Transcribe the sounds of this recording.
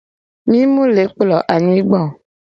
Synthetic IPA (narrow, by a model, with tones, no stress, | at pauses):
mĩ˦mũ˦le˨˦k͡plɔ˨ʔa˨ɲĩ˦ɡ͡bɔ˦˨